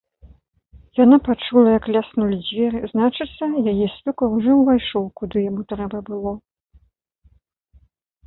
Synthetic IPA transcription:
janapat͡ʂulˠɐjɐklʲasnulʲid͡zʲvʲɛɾɨznat͡ʂɨt̪sɐjajɛsʲlʲɔkɐuʐɔwvajʂɔwkud̪ɨjamut̪ɾɛbɐbɨlˠɔ

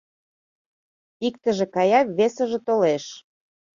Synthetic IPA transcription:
ikt̪ə̆ʒĕkɑjɑβesə̆ʒĕt̪oleʃ

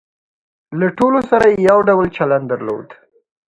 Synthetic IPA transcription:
laʈolosaɾajejawɖawlt͡ʃaland̪əɾlo̰d̪

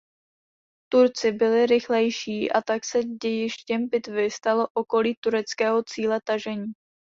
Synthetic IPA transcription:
t̪uɾt͡sɪbɪlɪɾɪxlɛjʃiːʔa̰t̪aksɛɟɛjɪʃcɛmpɪt̪vɪst̪alo̞ʔoko̞liːt̪uɾɛt͡skɛːɦo̞t͡siːlɛt̪aʒɛɲiː

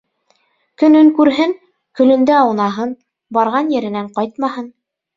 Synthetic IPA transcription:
kɵ̆nɵŋkʉɾɦɘŋ | kɵ̆lɵ̆nd̪ɘɑwnɑɦɤn | bɑɾʁɑnjɘ̆ɾɘ̆næɴqɑjt̪mɑhɤn

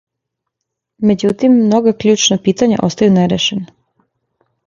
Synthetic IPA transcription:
me̞d͡ʑut̪imːno̞ɡakʎuːt͡ʃnopiːt̪aɲa̰ʔo̞st̪ajuneɾeʃena

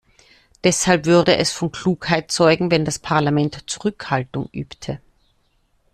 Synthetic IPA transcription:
d̥ɛshalpv̥ʏʁdəʔɛsfɔnkl̥uːkhaɪt̚t͡sɔʏɡŋ̩vɛndaspʰaʁlamɛntt͡suʁʏkhaltʊŋʔyːptʰə

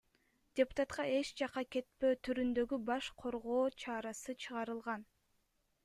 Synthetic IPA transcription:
dʲepʊ̥t̪ɑt̪qɑʔe̞t͡ʃd͡ʒɑqɑke̞t̪̚pø̞ːt̪ʰyɾynd̪ø̞ɡybɑʃqʰo̞ɾʁo̞ːt͡ʃʰɑɾɑsɯt͡ʃʰɯʁɑɾɯlˠʁɑn

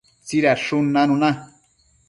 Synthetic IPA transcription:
t͡siɾaʂunːanuna

